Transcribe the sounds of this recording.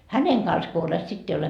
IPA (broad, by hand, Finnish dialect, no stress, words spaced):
hæneŋ kɑns ko olet sitː ei ole